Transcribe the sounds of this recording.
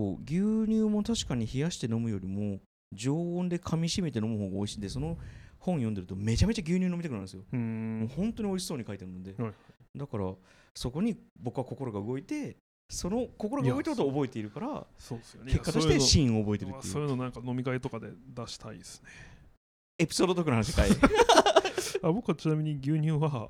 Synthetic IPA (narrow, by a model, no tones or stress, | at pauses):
oɡʲɨːɲ̟ɨːmo̞t̪aɕi̥kaɲ̟içijaɕi̥t̪e̞no̞mɯ̟jo̞ɾʲimo̞ | d͡ʑo̞ːõnd̪e̞kʰamʲiɕime̞t̪e̞no̞mɯ̟ho̞ːɡao̞iɕiːd̪e̞so̞no̞hõ̞ɰ̃jo̞nd̪eɾɯ̟t̪o̞me̞t͡ɕame̞t͡ɕaɡʲɨ̟ːɲʲɨːnomit̪ekɯnãnd̪sjomoːhõ̞nt̪o̞ɲ̟io̞iɕisoːɲ̟ikait̪eaɾɯ̟no̞d̪e̞haiad̪akaɾa | so̞ko̞ɲ̟ibo̞kɯ̟βako̞ko̞ɾo̞ɡaɯ̟ɡo̞it̪e̞ | so̞no̞ko̞ko̞ɾo̞ɡaɯɡo̞it̪akot̪oːbo̞e̞t̪e̞iɾɯ̟kaɾa̰soːd̪esɨjonke̞kːat̪o̞it̪eɕĩĩo̞ːbo̞e̞t̪e̞ɾɯt̪eḭoɾjenonãŋkano̞mʲikaet̪o̞kad̪e̞d̪aɕi̥t̪aisɨ̥ne | e̞pʲi̥soːd̪o̞t̪okːɯnhanaɕiɡakai | abo̞kɯ̟βat͡ɕinamʲiɲ̟iɡʲɨːɲ̟ʲɨːβa